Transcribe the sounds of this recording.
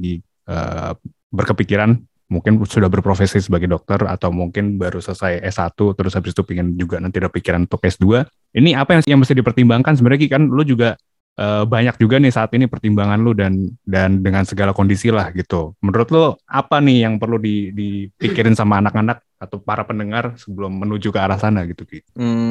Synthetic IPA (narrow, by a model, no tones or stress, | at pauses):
di | ə̰ː | bərkəpikiɾan | muŋkɪnsudahbərpɾofesisəbaɡajdɔk̚t̪əra̰t̪awmuŋkɪnbaɾusəəsajɛsat̪ut̪əɾʊshabɪsi̥t̪upiŋɪnd͡ʒuɡanant̪idapikiɾanunt̪ʊkɛsdua | iniapajajaŋməst̪ɪhdipərt̪imbaŋkans̬əmbəɾaɡikanlʊd͡ʒuɡa | ʔəbaɲak̚d͡ʒuɡanɪhsaːt̪inipərt̪imbaŋanlʊdandandəŋansəɡalakondisilahɡit̪umənuɾʊt̪lʊapanɪhjaŋpərludidipikiɾɪnsamaːnakanak̚at̪awpaɾapəndəŋarsəbəlʊmːənud͡ʒukəaɾahsanaɡit̪uɡi